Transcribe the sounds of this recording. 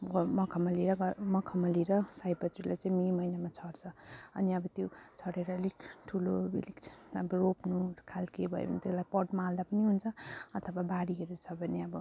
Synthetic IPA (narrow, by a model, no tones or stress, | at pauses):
ʌmʌkʰʌmʌliɾʌɡʌmʌkʰʌmʌliɾʌsajpʌt̪rilajt͡sãĩmimʌijnamat͡sʰʌɽt͡sʰʌʌ̰niʌbʌt̪jot͡sʰʌɽeɾʌelikʈʰuloḛlikʌ̰bʌropnukʰalkebʱʌḛbʌ̰nit̪elajpʌʈmald̪apʌniɦunt͡sʰʌʌt̪ʰʌbabaɽiɦʌɾut͡sʰʌbʱʌneʌbʌ